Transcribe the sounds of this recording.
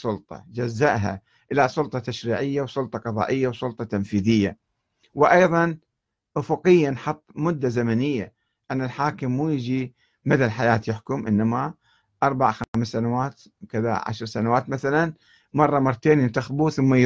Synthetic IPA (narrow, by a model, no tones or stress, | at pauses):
sˤʊlt̪ˤɑ̰d͡ʒazːaʔɦa̰ | ʔɪlasˤʊlt̪ˤɑt̪aʃɾiːʕɪjːawsˤʊlt̪ˤɑqɑðˤɑ̰ːʔɪjːawsˤʊlt̪ˤɑt̪amfiːðɪjːa | wɪʔɑjðˤɑn | ʔʊfʊqɪjːanħɑt̪ˤːmʊd̪ːazamanɪjːa | ʔanːalħaːkɪmːuːjɪd͡ʒi | mad̪alħajaːt̪jɪħkʊmʔɪnːama | ʔɑɾˤbaʕxamsːanawaːt̪ | kɪða̰ʕa̰ʃɾˤsanawaːt̪maθalan | mɑrˤːɑmɑrˤːt̪eːnnt̪axbuθʊmːaj